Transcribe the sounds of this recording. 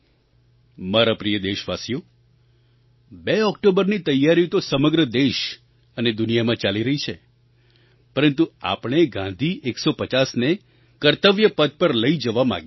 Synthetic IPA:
maɾapɾijəd̪eʃʋasijo | beɔkʈobəɾnit̪əjːaɾjõt̪osəməɡɾəd̪eʃ | əned̪unijamãt͡ʃaliɾəɦit͡ʃʰe | pəɾənt̪ua̰pɳ̃eɡãnd̪ʱiʔeksopət͡ʃasne | kəɾt̪əʋjəpəd̪̚pəɾləid͡ʒəʋamã̰ɡe

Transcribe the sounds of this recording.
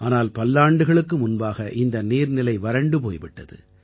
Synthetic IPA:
ʔaːnaːlpɐlːaːɳɖɯɣɐɭɯkːɯmʊnbaːɣɐʔɪnd̪ɐniːɾnɪlɐɪʋɐɾɐɳɖɯp̬oːjʋɪʈːɐðɯ̰

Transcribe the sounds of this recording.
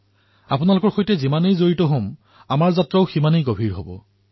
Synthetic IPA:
apʊnalʊkɔɹxojtɛzimanejzoɹitɔɦom | amaɹzatɹaʊximanejɡobʱiɹɦobɔ̰

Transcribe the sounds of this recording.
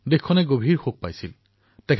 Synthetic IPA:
dekʰːɔnɛɡobʱiɹxok̚pajsil | tɛkʰ

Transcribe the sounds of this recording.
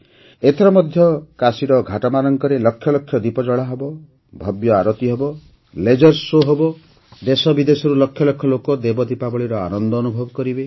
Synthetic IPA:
et̪ʰɔɾɔmɔd̪ʱjɔkasiɾɔɡʱaʈɔmaɾɔŋkɔɾelɔkʰːjɔlɔkʰːjɔd̪ipɔd͡ʒɔɭaɦebɔ | bʱɔbjɔaɾɔt̪iɦebɔ | led͡ʒɔɾsːoɦɔbɔ | d̪esɔbid̪esɔɾulɔkʰjɔlɔkʰːjɔlokɔd̪ebɔd̪ipabɔɭiɾɔa̰nɔnd̪ɔːnubʱɔbɔkɔɾibe

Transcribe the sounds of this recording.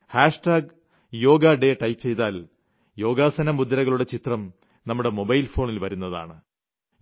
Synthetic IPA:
haːʂʈaːɡ | jo̞ːɡaɖe̞ːʈɐjpːt͡ɕe̞jt̪aːl | jo̞ːɡaːsɐnɐmud̪ɾɐɣɐɭuɽe̞t͡ɕit̪rɐm | nɐmːuɽe̞mo̞bɐjlfo̞ːɳilʋɐɾunːɐða̰ːɳɨ

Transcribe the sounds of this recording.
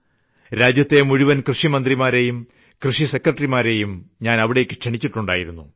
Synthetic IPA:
ɾaːd͡ʑjɐt̪ːe̞muɻiʋɐnkrɨʂimɐnd̪rimaːɾe̞jum | krɨʂise̞kːrɐʈːɐrimaːɾe̞jumɲaːnɐʋiɽekːɨ̥kʂeɳit͡ɕːiʈːuɳɖa̰ːjiɾunːu

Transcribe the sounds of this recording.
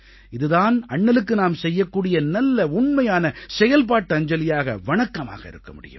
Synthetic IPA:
ɪðɯðaːnɐɳːɐlɯk̬ːɯnaːmsɛjːɐkːuːɽɪjɐnɐlːɐʊɳmɐjaːnɐsɛjɐlp̬aːʈːɯɐɲd͡ʒɐlɪjaːɣɐ̰ʋɐɳɐkːɐma̰ːɣɐɪ̰ɾɯkːɐmʊɽɪ̰jɯ̰m

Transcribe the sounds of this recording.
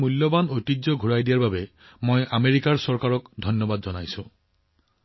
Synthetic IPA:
mulːɔbanojtizɔɡʱuɹajdijaɹbabɛ | mojʔameɹikaɹsɔɹkaɹɔkdʱɔnjɔbadzɔnajsʊ̃

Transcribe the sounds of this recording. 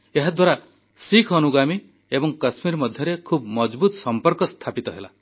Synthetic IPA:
eɦad̪ʱwaɾa | sikʰɔnuɡami | ebɔŋkasmiɾmɔd̪ʱjɔɾekʰubmɔd͡ʒbut̪ɔsɔmpɔɾkɔst̪ʰapit̪ɔɦela

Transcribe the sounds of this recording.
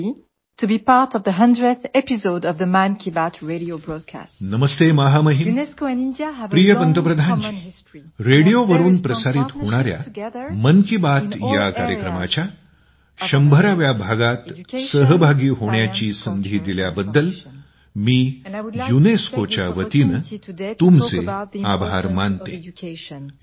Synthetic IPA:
tubipaɹtɔvðəɦʌ̃ndɹəθɛpisodɔvðəmãnkʰibatʰɹeɾiobɹɔd̚kʰa̰snəməst̪emaɦaməɦin | pɾijəpənt̪əpɾəd̪ʱand͡ʑi | ɾeɽijoʋəɾuːnpɾəsaɾit̪hoɽ̃aɾja̰mənkibat̪jakaɾjəkɾəmat͡ɕja | ɕəmbʱəɾaʋjabʱaɡat̪səɦbʱaɡiːɦoɳjat͡ɕiːsənd̪ʱiːd̪iljabəd̪ːəl | miːjuneskot͡ɕja̰ʋət̪iːnt̪umt͡seabʱaɾmant̪e

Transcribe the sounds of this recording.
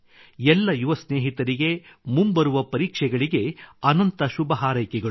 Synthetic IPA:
ɛlːɐjuʋɐsneːɦit̪ɐɾiɡe̞mumbɐɾuʋɐpɐɾiːkʂɛɡɐɭiɡe̞ɐnɐnt̪ɐʃubɐɦaːɾɐjkɛɡɐ

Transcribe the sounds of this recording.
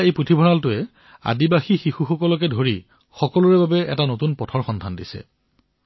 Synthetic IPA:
ejpɹutʰibʱɔnaltʊɛ | a̰dibaxixixuxɔkɔlɔk̬ɛdʱoɹi | xɔkɔlʊɹɛbabɛɛ̰tanotunpɔtʰɔɹxɔndʱandisɛ̰

